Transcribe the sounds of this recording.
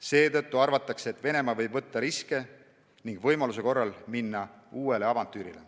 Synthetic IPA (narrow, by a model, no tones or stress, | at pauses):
se̞ːt̪ɤ̞t̪ːuɑrvɑt̪ːˑɑkseːt̪ːˑve̞ne̞mɑvɤ̞jb̥vɤt̪ːɑɾiske̞ | niŋɡ̥vɤjmɑluse̞ko̞rːɑlminːɑuːe̞le̞ɑvɑnt̪ːˑyːɾile̞̰